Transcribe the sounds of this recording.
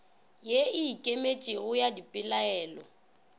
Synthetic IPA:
jeɪːkʼemet͡ʃʼɪɣʊjadipʼɪlaɛːlɔ

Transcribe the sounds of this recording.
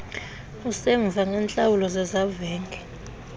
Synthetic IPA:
usɛɱvʱaŋʱɛnt͡ɬʼawulɔzɛzavɛːŋɡʱɛ

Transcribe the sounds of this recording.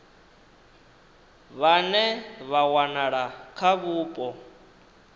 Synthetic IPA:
βanɛβawanaɺakʰaβuːpʼɔ

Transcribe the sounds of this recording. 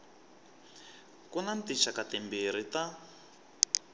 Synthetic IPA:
kunantiʃakatɛmbiɾ̤ita

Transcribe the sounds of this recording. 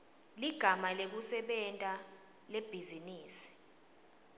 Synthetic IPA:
liɡ̥ʱamalek̬usɛɓɛntʼa | leb̥ʱiziniːsi̥

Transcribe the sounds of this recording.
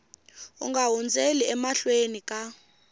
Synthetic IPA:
ṵŋɡaɦund͡zʱeliɛmaɬwenikʼa

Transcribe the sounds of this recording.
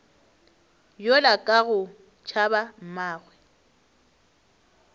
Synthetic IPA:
jolakʼaɣʊ | t͡ʃʰabam̩maːɣwɛ

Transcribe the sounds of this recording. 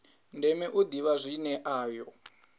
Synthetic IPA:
ndɛmɛʔud̪iβazʷinɛʔaːjɔ

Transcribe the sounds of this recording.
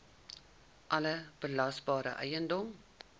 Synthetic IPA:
ʔɐləb̥əlɐsbɑːɾə̰ʔɛ̰jəndɔm

